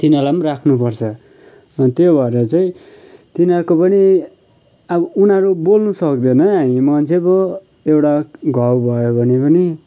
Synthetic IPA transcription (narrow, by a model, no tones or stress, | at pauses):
t̪inʌlamrakʰnupʌrt͡sʰʌ | ʌnt̪jobʱʌeɾʌt͡saĩ | t̪inʌrkopʌni | ʌbʌunaɾubolnusʌkd̪enʌamĩmʌnt͡sʰebʌ | ewʈaɡʱʌwbʱʌjobʱʌnipʌni